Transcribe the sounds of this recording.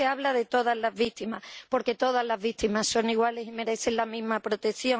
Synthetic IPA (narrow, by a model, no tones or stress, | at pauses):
eaβlaðe̞t̪o̞ðazlazβik̚t̪imapo̞ɾke̞t̪o̞ð̞azlazβik̚t̪imaso̞ŋiɣwale̞sime̞ɾe̞θe̞nlamĩzmapɾo̞t̪e̞θjo̞